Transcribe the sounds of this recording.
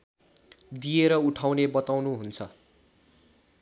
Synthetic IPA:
d̪ijeɾʌuʈʰawnebʌt̪awnuɦunt͡sʰʌ

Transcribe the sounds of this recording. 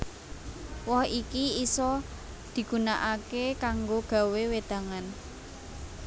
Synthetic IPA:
wɔhikiisɔ | d̪̥i̤ɡ̥ṳnaʔakekaŋɡoɡ̥a̤wewed̪̥a̤ŋan

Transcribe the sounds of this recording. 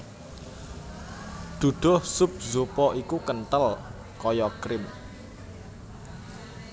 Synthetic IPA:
d̪̥ṳɖ̪̥ɔ̤hsʊp̚zopɔʔikukənt̪əl | kɔjɔkɾɪm

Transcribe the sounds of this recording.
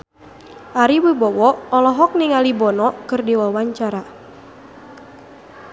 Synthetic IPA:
ʔaɾiwubɔwɔʔɔlɔɦɔk̚niŋalibɔnɔkɨrdiwawaɲt͡ʃaɾa

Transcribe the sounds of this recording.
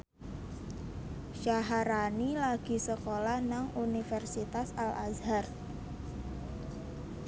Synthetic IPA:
ʃaɦaɾanilaɡ̥i̤səkolahnaŋʔunifɛrsit̪asalʔazhar

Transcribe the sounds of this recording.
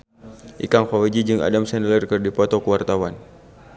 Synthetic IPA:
ʔḭkaŋfawɛd͡ʒid͡ʒɨŋa̰damsɛnlərkɨrdipɔt̪ɔkəwart̪awan

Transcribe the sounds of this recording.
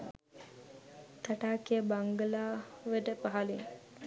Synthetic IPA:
t̪aʈaːkijəbaŋɡəlaːʋəʈəpaɦaliŋ

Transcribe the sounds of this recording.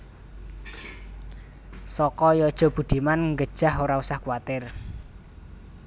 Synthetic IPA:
sɔkɔjɔd̥ʒ̥ɔ̤b̥ṳd̪̥i̤manŋɡəd̥ʒ̥a̤hoɾausahkwat̪ɪr

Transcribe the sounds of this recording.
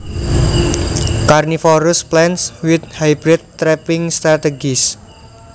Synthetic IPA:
karnifɔɾʊsplɛnswɪt̪̚hajbɾɛt̪̚t̪ːɾɛpɪŋst̪ɾat̪eɡis

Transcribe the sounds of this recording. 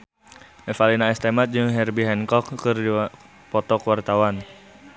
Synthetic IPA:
ʔɛfalinaɛst̪ɛmat̪̚d͡ʒɨŋɦɛrbiɦɛnkɔkkːɨrdi | pɔt̪ɔkəwart̪awan

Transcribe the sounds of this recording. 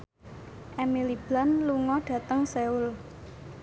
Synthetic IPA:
ʔɛmilib̥lanluŋɔɖ̥ä̤t̪əŋseul

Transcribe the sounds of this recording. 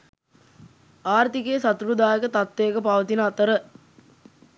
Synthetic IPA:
aːrt̪ikeːsat̪uɾud̪aːjəkət̪at̪ːeəkəpaʋət̪inəat̪əɾə

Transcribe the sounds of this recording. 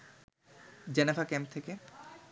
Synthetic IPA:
d͡ʑɛnefakɛmp̚t̪ʰeke

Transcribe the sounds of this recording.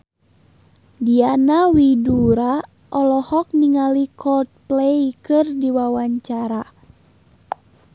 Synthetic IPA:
dianawiduɾa | ʔɔlɔhɔk̚niŋalikʰɔlt̪̚plejkɨrdiwawaɲt͡ʃaɾa

